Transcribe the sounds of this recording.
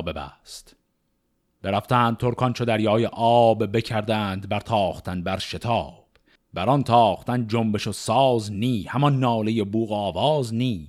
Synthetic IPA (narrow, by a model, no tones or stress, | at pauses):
be̞bæ̰st̪ | b̥eɾæft̪æːnd̪̚t̪ʰoɾkʰɒnt͡ʃʰod̪æɾjɒːjeʔɒːbbe̞cʰæɾd̪æːnd̪bæɾt̪ʰɒːχt̪ʰænbæɾʃe̞t̪ʰɒːb̥ | bæɾɒnt̪ʰɒːχt̪ænd͡ʒombe̞ʃosɒːzniːhæmɒnːɒːleje̞buːɣɒːvɒːzniː